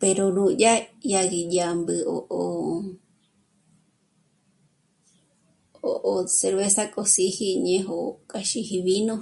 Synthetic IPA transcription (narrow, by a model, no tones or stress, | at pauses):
peɾonũʄajaɣijambɨoʔo | oʔoseɾβesakʼosihiɲẽɦokʼaʃihiβinõ